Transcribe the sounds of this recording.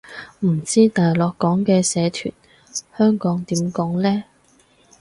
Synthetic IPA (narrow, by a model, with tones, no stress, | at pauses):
m̩˨˩t͡siː˥t̪aː˨jlɔː˨kːɔː˨˥ŋkɛː˧sɛː˨˧t̪ʰy̰ː˨˩n | hœː˥ŋkɔː˨˥ŋt̪iː˨˥mkɔː˨˥ŋlɛː˥